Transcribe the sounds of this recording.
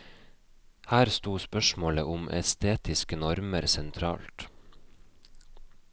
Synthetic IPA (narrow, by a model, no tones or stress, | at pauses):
hæːɾst̪uːspœʃmoːləʔʊmʔɛ̰st̪ʰeːt̪ɪskənɔɾməɾsɛnt̪ʰɾɑ̰ːlt̪